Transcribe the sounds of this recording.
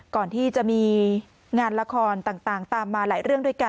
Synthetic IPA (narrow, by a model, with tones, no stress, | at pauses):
kɔː˨˩nt̪ʰiː˥˩t͡ɕa˨˩miː˧ | ŋaː˧nla˧kʰɔː˧nt̪aː˨˩ŋt̪aː˨˩ŋt̪aː˨˧mːaː˧laː˩˦jɾɯ˥˩əŋdu˥˩jka˧